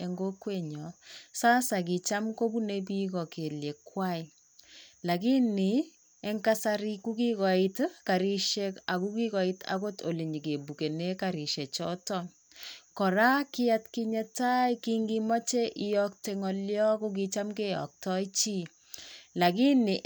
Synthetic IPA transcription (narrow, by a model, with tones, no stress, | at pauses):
e˨ŋɡo˦kwe˨ɲɔ˨saː˦sa˨k̬i˨t͡ʃa˦mko˦bu˦ne˦bi˦kɔ˨ke˨lje˨kːwa˦i˨ | la˨ki˦ni˨ | e˦ŋka˦saɾi˦ku˦ki˦kɔ˨i˦tka˨ɾi˦ʃe˦ka˨ku˦ki˦kɔ˨i˦ta̰˦ko˦to˨li˨ɲi˨ke˨bu˨ke˨ne˦kaɾi˨ʃe˨t͡ʃɔ˦tɔn | kɔ˨ɾa˦kɪ˦ja˦tki˦ɲa˦ta˦iki˦ŋɡi˦mɔ˦t͡ʃe˦ʔɪ˦jɔ˦k̚te˨ŋɔ˨ljɔ˦ko˦k̬i˦t͡ʃa˦mke˦jɔ̰˨k̚tɔ˦i˦t͡ʃi˦ | la˨ki˦ni˨